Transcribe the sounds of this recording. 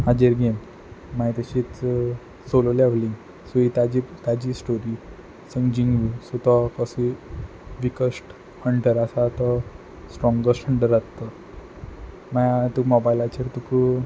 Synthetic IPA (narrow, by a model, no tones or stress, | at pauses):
ad͡ʑeɾɡem | mait̪aɕit͡s | sololɛʋlĩŋ | suit̪ad͡ʑit̪ad͡ʑisʈoɾi | səŋɡd͡ʑiŋɡʋisut̪ɔkɔsi | ʋikəsʈ | həɳʈəɾasat̪ɔ | sʈɾɔ̃ŋɡɡəsʈʰəɳʈəɾat̪t̪ɔ | majat̪umɔbajlat͡ɕeɾt̪uku